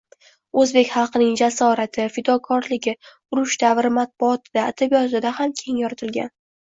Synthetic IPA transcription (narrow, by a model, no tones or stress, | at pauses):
ɵzbe̞kʲχɑlˠqʰɨnɪŋd͡ʒasɒɾat̪ʰɪfɪd̪ɒkʰɒɾlɪɡʲɪ | ʊɾʊʃd̪̥avɾɪmat̪̚bʊɒt̪ʰɪd̪aːd̪̥abijɒt̪ɪd̪ahamkʲʰe̞ŋjɒɾat̪ʰɪlɡʲa̰n